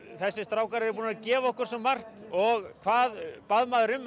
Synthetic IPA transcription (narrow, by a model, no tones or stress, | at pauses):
θɛsːɪst̪ɾaːwkaɾɛɾɪɾp̬uːnaðcɛːvaɔhkʏɾ̥sɛmːar̥t̪ | ɔɣkʰvaːðpaðmaːðʏɾʏm